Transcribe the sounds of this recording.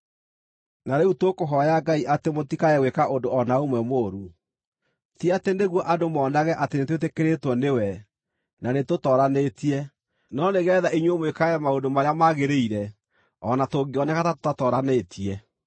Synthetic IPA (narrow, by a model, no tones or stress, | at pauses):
naɾeutwokoɦɔjaɡaiʔatemotikaɛwekaʔondoɔnaomwɛmoːɾu | tiateneɣwɔʔadomɔːnaɣɛʔatenetwetekeɾetwɔnewɛ | nanetotɔɾanetiɛ | nɔneɣɛːðaiɲwomwekaɛmaondomaɾeamaɣeɾeiɾɛ | ɔnatoɡeɔnɛkatato̥tatɔːɾanetʰiɛ